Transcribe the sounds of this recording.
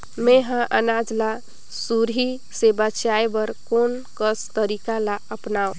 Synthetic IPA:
meɦãʔə̰nad͡ʒla | suɾɦi | sebət͡ʃaebəɾkonkəst̪əɾikalaəpnaõ

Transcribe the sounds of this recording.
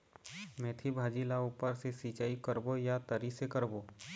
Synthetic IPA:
mɛ̃ːt̪ʰibʱaːd͡ʒilauːpəɾsesiːt͡ʃaːikəɾbojat̪əɾisekəɾboː

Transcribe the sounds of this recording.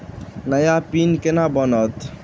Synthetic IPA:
nəjapinkenabənət̪

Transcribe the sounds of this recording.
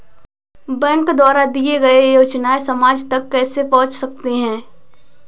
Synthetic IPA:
bɛ̃ŋkd̪waːɾad̪ieɡɐejoːt͡ʃnaesɐmaːd͡ʒt̪ɐkːɛːsepɐ̃ɦʊ̃t͡ʃsɐk̚t̪eɦɛ̃ː

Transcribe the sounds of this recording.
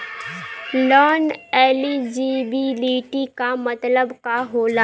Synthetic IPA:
lɔːneːlid͡ʒibibiːʈikamɐt̪ləbkaɦoːlaː

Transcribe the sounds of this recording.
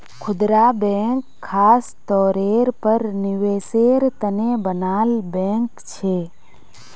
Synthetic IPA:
kʰʊd̪ɾaːbɛ̃ːŋkʰːaːst̪ɔːɾeːɾpəɾnɪʋeːseːɾt̪ənebənaːlbɛ̃ːŋkt͡ʃʰeː

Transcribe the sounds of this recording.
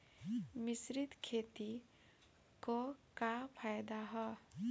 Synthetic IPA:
mɪsɾɪt̪kʰeːt̪i | kokapʰaːjd̪aɦɛ

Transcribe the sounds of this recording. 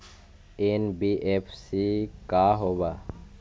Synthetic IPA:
eːnbiːʔepʰsikaːɦoːbaː

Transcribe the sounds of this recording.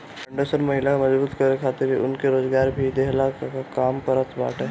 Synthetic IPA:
pə̃ɳɖosəɾmɐɦɪlakmɐzbuːt̪kɐɾekʰaːt̪ɪɾiʊ̰nkeɾoːzɡaːɾbʱid̪eɦlakkaːmkəɾət̪ba̰ːʈe

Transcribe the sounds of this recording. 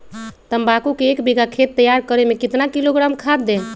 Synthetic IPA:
t̪əmbakukeːkbiɡakʰet̪ːəjaɾkəɾemekit̪nakiloɡɾamkʰad̪̚d̪en

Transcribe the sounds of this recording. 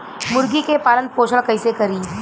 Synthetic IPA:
mʊɾɡikepaːlənd̪̚poːʃʰəɽkɐɪsekɐɾiː

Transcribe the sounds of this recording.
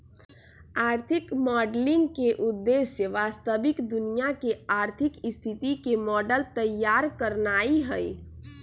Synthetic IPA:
aːɾt̪ʰɪkmɔːɖlɪ̃ŋɡkeʔʊd̪ːeːsəʋaːst̪əbɪkd̪ʊnijakeaːɾt̪ʰɪkɪst̪ʰɪt̪ikemɔːɖəlt̪əjːaːɾkəɾnaːiɦɛi

